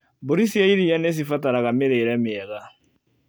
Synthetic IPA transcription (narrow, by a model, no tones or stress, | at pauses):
boɾisiaiɾijɛnes̬ifataɾaɣameɾeɾɛmeɛɣa